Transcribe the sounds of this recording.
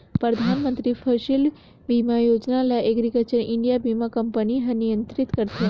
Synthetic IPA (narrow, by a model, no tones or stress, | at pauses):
pɾəd̪ʱanmənt̪ɾifʰəʃil | ʋimajod͡ʒnalaʔɛɡɾikət͡ʃəɾɪɳɖijabimakəmpəniɦənijənt̪ɾit̪kəɾt̪e